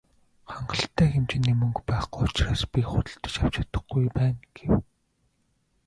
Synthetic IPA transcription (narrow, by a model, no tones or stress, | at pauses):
χaɴɢə̆ɬt̪ʰːæːxemt͡ɕɪ̆nːiːmɵŋkpæːχɡujʊt͡ɕraːspʲiχʊt̪ə̆ɬt̪ə̥̆t͡ɕaw̥t͡ɕʊt̪ə̥̆χɡujpæːnɡ̥ew